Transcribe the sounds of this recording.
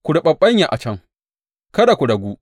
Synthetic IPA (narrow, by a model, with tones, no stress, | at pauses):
kʷʊ˨ɽʊ˨ɓɐ˦ɓːɐ˦ɲja˨ʔa˨t͡ʃɐ˦ŋ | kɐ˦da˨kʷu˨ɽɐ˨ɡʷuː˦